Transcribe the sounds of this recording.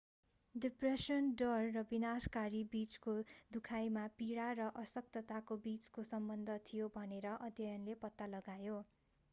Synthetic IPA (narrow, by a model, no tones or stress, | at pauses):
ɖipresʌnɖʌrːʌbinaskaɾibit͡skod̪ukʰajmapiɽarʌʔʌsʌk̚t̪ʌt̪akobit͡skosʌmbʌnd̪ʱʌt̪ʰijobʱʌneɾʌʔʌd̪ʱjʌjʌnlepʌt̪ːalʌɡajo